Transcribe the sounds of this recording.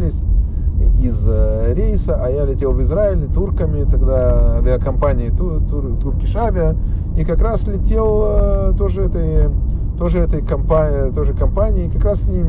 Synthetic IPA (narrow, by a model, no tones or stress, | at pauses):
lʲɪsʲ | izɾʲejsəʔɐjalʲɪtʲe̞lˠvɪzɾaɪlʲɪt̪urkəmʲɪt̪ɐɡd̪avʲɐkɐmpanʲɪjɪt̪ut̪u | t̪urkʲɪʂavʲɪəikɐkɾaslʲɪtʲe̞lˠt̪oʐɨɛt̪əj | t̪oʐɨɛt̪əjkɐmpat̪ojʐɨkɐmpanʲɪːkɐkɾassʲnʲim